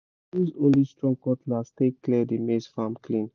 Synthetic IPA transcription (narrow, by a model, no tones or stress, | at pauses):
dizõnlistɹɔ̃ŋkɔtlastekklidemesfamkʰlĩn